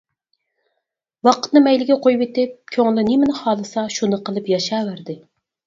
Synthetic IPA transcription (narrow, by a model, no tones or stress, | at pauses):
wɑqʰə̥t̪nɨmɛjlɪɡʲɛqʰojwɪt̪ɪp̚kʲʰøŋlˠɪnɪmɪnɪχɑːlˠɨsɑʃunɨqəlˠɨpjɑʃɑːwæɾd̪ɪ